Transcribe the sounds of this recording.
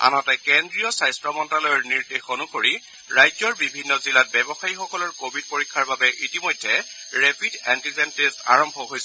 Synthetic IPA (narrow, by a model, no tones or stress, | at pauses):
a̰nɔtɛkendɹijɔsajstɹɔmɔntɹalɔjɔɹniɹdexonuxoɹi | ɹajzɔɹbibʱinːɔzilat̚bɛbɔxaɹixɔkɔlɔɹkobʱid̚poɹikʰːaɹbabɛʔitimojdʱːɛɹepʰidɛntizɛntesta̰ɹɔmbʱɔɦojsɛ